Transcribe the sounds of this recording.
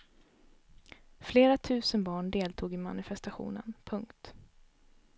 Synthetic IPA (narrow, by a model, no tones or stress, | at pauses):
fleːɾat̪ʰʉ̟ːsənbɑːɳɖeːlt̪ʰuːɡɪma̰nɪfɛst̪aɧṵːnə̰npʰɵŋkt̪